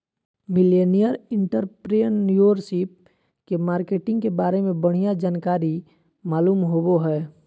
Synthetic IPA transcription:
mɪlenijəɾɪ̃ɳʈəɾpɾenjoɾsip̚ | kemaːɾkeːʈɪ̃ŋɡkebaːɾemẽbəɽ̤ijad͡ʒaːnkaːɾi | maːluːmɦoboɦɛː

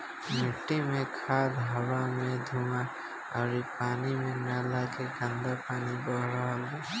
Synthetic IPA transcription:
mɪʈːimẽkʰaːd̪ɦəwamẽd̪ʱuːma | ɔːɾipaːnimẽmaːlakeɡə̃nd̪apaːnibɔɦɾaɦala

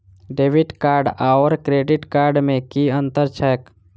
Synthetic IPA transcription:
ɖeːʋɪɖkaːɾɖaːɔɾkɾeːɖɪʈkaːɾɖmẽkiə̃nt̪əɾt͡ʃʰɛːjək

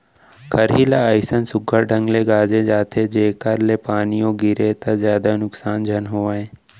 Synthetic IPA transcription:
kʰəɾɦiːlaəɪsənsʊɡʱəɾɖʱə̃ŋɡleɡaːd͡ʒẽd͡ʒaːt̪ʰed͡ʒeːkəɾlepaːnijõːɡɪɾet̪azjaːd̪anʊksaːnd͡ʒʱɐnɦoːʋãːẽː

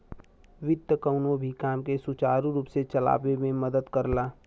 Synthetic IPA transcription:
wɪd̪jəkəʊnõbʱikaːmkesʊt͡ʃaːɾũɾuːpset͡ʃəla̰ːʋemẽməd̪əd̪kəɾlaː

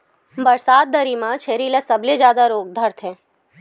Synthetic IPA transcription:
bəɾsaːd̪̚ːəɾimãt͡ʃʰeːɾilasəbled͡ʒjaːd̪aɾoːɡ̚d̪ʱəɾt̪ʰɦɛː

